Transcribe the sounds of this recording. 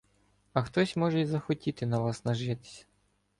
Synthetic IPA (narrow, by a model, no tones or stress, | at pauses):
ɐxt̪ɔsʲmɔʒɛizɐxɔtʲit̪ɪnɐʋɑsnɐʒɪt̪ɪ̥sʲɐ̥